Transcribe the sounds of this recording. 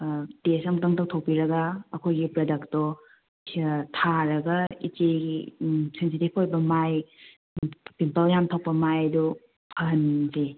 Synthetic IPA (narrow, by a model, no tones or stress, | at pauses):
tesɐŋtɐŋtaw̚tʰow̚piɾɐɡaːkʰojɡipɾɐdɐktɔ | tʰaɾɐɡaḭt͡ʃeɡisensitip̚ʰojbɐmaj | pimpɐljamtʰaw̚pɐmajdu | pʰanze